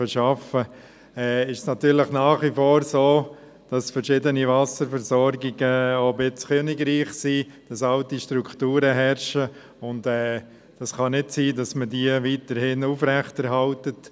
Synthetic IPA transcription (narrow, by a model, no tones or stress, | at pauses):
əʃɑfə | ɛːɪʃsnɑtyːɾlɪχnɑːχʋifoːɾsoː | d̥ɑsfɛɾʃɪdəniʋɑsəɾfɛɾsɔɾɡɪɡəobɪt͡skʰøːnɪɡɾiːχsiːd̥ɑsɑltiʃtɾukʰtuːɾəɦɛɾʃə | ʊntɛː | d̥ɑsχɑnɪdsiːdɑsmədiəʋiːtəɾhɪnufɾɛχtɛɾɦɑltət